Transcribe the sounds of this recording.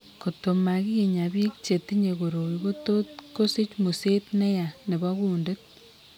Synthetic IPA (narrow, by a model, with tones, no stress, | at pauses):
ko˨to˨ma˨ki˦je˨ɲa˨bi˦kt͡ʃe˨t̪i˦ɲe˨ko˨ɾo˨wi˨ɡo˦to˦tko˦si˦t͡ʃmu˨se˦tnɛ˦ja˨ne˨bɔ˦kuː˦nde˦t̚